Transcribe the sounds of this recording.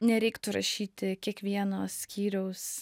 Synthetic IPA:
nʲɛɾʲɛɪkt̪ʊɾɐʃʲiːt̪ʲɪkʲiɛkʋʲiɛnoːsʲkʲʰiːɾʲɛʊs

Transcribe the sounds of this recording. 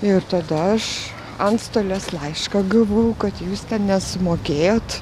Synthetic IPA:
ɪrt̪ɐd̪ɐɐʃ | ɐnt̪st̪oːlʲɛslˠɐɪʃkɑɡɐlˠʋoːjʊkɐt̪juːst̪ʲɛnnʲɛsʊmoːkʲeːjoːt̪

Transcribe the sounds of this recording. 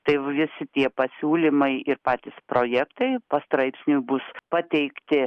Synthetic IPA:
t̪ɐɪʋʋʲɪsʲɪt̪ʲiɛpɐsʲuːlʲimɐɪɪrpɑːt̪ʲispɾoːjækt̪ɐɪpɐst̪ɾɐɪpʲsʲnʲubʊspɐt̪ʲɛɪkt̪ʲɪ

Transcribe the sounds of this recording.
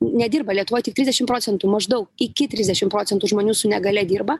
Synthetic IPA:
nʲɛd̪ʲiːrbɐlʲiɛt̪ʊʋoːjtʲɪkt̪ʲɪzʲdʲɛʃʲɪmpɾoːt͡sʲɛnt̪umɐʒd̪ɐʊkɪkʲɪt̪ʲɾʲɪzʲdʲɛʃʲɪmpɾoːt͡sʲɛnt̪uʒmoːnʲuːsʊnʲɛɡɐlʲɛd̪ʲiːrbɐ

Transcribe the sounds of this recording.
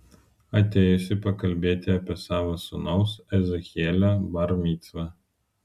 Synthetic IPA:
ɐt̪ʲeːjʊsʲɪpɐkɐlʲbʲeːt̪ʲɪɐpʲiɛsɑːʋɐsʊnɐʊsɛzɛxʲiɛlʲobɐɾmʲiːt̪sʋɐ

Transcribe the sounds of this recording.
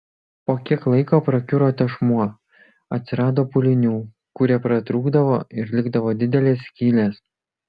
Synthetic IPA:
poːkʲiɛklˠɐɪkoːpɾɐkʲʊɾoːt̪ʲɛʃmuɔ | ɐt̪ʲsʲɪɾɑːd̪oːpʊlʲɪnʲuː | kʊɾʲɛpɾɐt̪ɾuːɡd̪ɐʋoːɪɾlʲɪɡd̪ɐʋoːd̪ʲɪd̪ʲɛlʲeːsʲkʲiːlʲeːs

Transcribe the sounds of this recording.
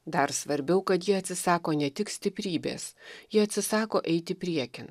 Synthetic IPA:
d̪ɐɾsʋɐɾʲbʲɛʊkɐt̪jiːɐt̪ʲsʲɪsɑːkoːnʲɛt̪ʲɪksʲt̪ʲɪpʲɾʲiːbʲḛːsjiːɐt̪ʲsʲɪsɑːkoːʔɛɪt̪ʲɪpʲɾʲiɛkʲɪn

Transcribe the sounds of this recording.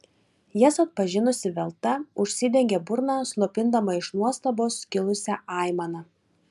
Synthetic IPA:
jɛsɐt̪̚pɐʒʲɪnʊsʲɪʋʲɛlˠt̪ɐʊʃʲsʲɪd̪ʲɛŋʲɡʲebʊɾnɑːslˠopʲɪnd̪ɐmɐɪʃnuɔst̪ɐboːskʲɪlˠʊsʲæʔɑˑɪmɐnɐ

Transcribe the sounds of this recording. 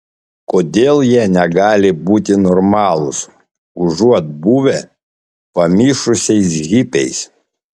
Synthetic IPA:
koːd̪ʲeːlˠjiɛnʲɛɡɑːlʲɪbuːt̪ʲɪnɔɾmɑːlˠʊs | ʊʒuɔt̪̚buːʋʲe | pɐmʲiːʃʊsʲɛɪs̬ɣʲipʲɛɪs

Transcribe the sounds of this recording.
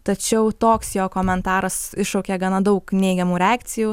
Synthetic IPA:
t̪ɐt͡ʃʲɛʊt̪oːksjoːkoːmʲɛnt̪ɑːɾɐsɪʃɐʊkʲeːɡɐnɐd̪ɐʊknʲɛɪɡʲɛmuːɾʲɛaːkt̪sʲɪjuː

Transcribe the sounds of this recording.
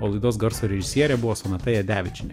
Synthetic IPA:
oːlˠɐɪd̪oːsɡɐɾsoːɾʲɛʒʲɪsʲiɛɾʲɛbʊʋoːsoːnɐt̪ɐjɛd̪ʲæːʋʲɪt͡ʃʲɪnʲɛ

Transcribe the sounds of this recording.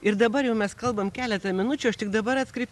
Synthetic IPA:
ɪɾd̪ɐbɐjɛʊmʲɛskɐlˠbɐmkʲæːlʲɛt̪ɐmʲɪnʊt͡ʃʲʊːɐʃt̪ʲɪɡd̪ɐbɐɾɐt̪skɾʲɛɪpʲ

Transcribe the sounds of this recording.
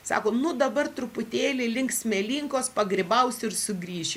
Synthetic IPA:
sɑ̰ːkoːnʊd̪ɐbɐrt̪ɾʊpʊt̪ʲeːlʲɪlʲɪŋksʲmʲɛlʲiŋkoːspɐɡɾʲɪbɐʊsʲɪɾsʊɡɾʲiːʒʲɪ

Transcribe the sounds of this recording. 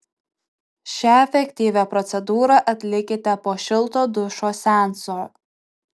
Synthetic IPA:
ʃʲæɛfʲɛkʲt̪ʲiːʋʲæpɾɔt̪sʲɛd̪uːɾɐʔɐt̪ʲlʲɪkʲɪt̪ʲɛpoːʃʲɪlˠt̪oːd̪ʊʃoːsʲæˑnsoː

